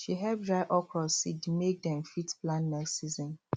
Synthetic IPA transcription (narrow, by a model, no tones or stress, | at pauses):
ʃiɦɛb̚dɹaɪʔɔkʰɔsidmek̚dɛ̃mfitplãnːɛsizɔ̃n